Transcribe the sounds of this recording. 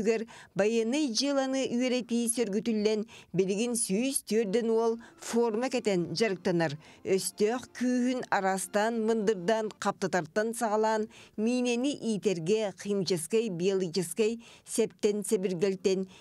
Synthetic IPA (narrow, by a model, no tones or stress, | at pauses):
ɡeɾbɑjenɯjd͡ʒɯlˠɑnɯʔyjeɾet̪ijsøɾɡyt̪ylːenbilɪɡinsyjst̪ʰyøɾd̪enwolˠformɑkʲet̪enʒɑɾɯk̚t̪ɑnɑɾøst̪øχkʰyːhynɑɾɑst̪ɑnmɯnd̪ɯɾd̪ɑɴqʰɑp̚t̪ɑt̪ɑɾt̪ːɑnsɑʁɑlˠɑnmiːneniʔijt̪eɾɡʲe̞qʰijmt͡ʃɑskejbijlˠɯkt͡ʃeskejsep̚t̪ːensebɪɾɡelt̪ːen